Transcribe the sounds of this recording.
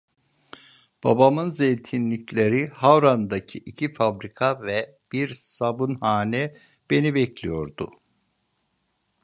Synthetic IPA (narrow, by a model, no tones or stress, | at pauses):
b̥a̰bamɯnzejt̪ʰinlʲiclʲe̞ɾihawɾand̪acʰiʔicʰifabɾikʰavɛ | b̥iɾsabunhaːnɛ | b̥e̞nibɛclʲijo̞ɾd̪ʊ̰